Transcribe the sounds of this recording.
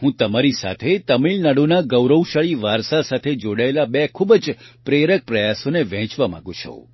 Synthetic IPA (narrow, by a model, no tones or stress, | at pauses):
hũt̪əmaɾisa̰t̪ʰet̪əmiɭnaɽunaɡəwɾəwʃəɭiʋaɾsasat̪ʰed͡ʒoɽaelabekʰubd͡ʒpɾeɾək̚pɾəjasoneʋɛ̃t͡ʃʋamã̰ɡũt͡ʃʰõ̰